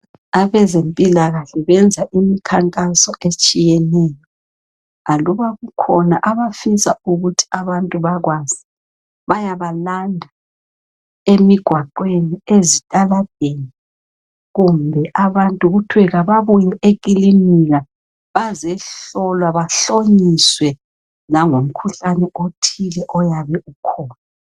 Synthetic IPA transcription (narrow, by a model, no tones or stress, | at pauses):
aβɛzempʼilaɣaɬɛβɛnd͡zʱaʔimikʰaŋkʼasɔʔet͡ʃʼijɛnɛjɔ | aluβaɣukʰɔnaʔaβafisauɣutʰi̥aβantʼuβaɣwaz̥i | βajaβalandʱa | emiɡ̥ʱwaǃweniezitʼalad̥̚ʱeni | ɣumbʱɛʔaβantʼuɣutʰwɛɣaβaβuɲiek̬ʼilimiɣa | βazɛɬɔlwaβaɬoɲiswɛ | naŋom̩kʰuɬanɛʔotʰilɛʔɔjaβɛʔukʰɔːna